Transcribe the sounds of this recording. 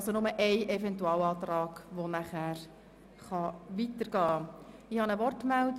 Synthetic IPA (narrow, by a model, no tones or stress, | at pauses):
sonʊməʔɛɪʔɛfɛntuɑːlɑːt̪ɾɑːɡ̥ʋonæχæːɾ | χɑʋitəɾɡ̥ɑː | ɪhɑnəʋɔrtmɛld